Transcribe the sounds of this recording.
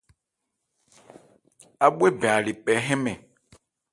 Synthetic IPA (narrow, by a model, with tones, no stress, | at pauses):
a˨ɓwe˦bɛ˨a˨li˨pɛ˨˦ɦɛ̃˦mɛ̃˨